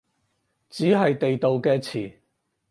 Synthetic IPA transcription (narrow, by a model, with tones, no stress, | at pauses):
t͡siː˨˥ɦɐ˨jt̪e˨jt̪o˨wkɛː˧t͡sʰiː˨˩